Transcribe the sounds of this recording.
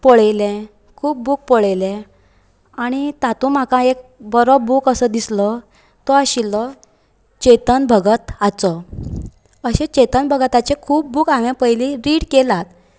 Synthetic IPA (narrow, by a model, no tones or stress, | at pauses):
pɔɭejlẽ | kʰuːp̚buːk̚pɔɭejlɛ̃ | aɽ̃it̪at̪ũm̤akãek̚bəɾɔbuːkəsəd̪islə | t̪ɔaɕilɔ | t͡ɕet̪ənbʱəɡət̪at͡sɔ | əɕẽt͡ɕet̪ənbʱəɡət̪at͡ɕekʰuːp̚buːkaʋjãpəjliɾiːɽkelat̪